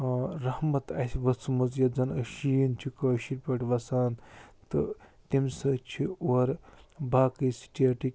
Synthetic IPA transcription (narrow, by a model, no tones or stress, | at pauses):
ɾɐhmɐt̪ɐsʲʋɐsɨmɐzjɐd͡zɐnɐʃijnt͡ʃʰikɐːʃiɾʲpɐʈʋɐsaːnt̪ɨt̪imsɐt͡ʃʰioɐɾbaːkəjsi̥ʈʰiaʈik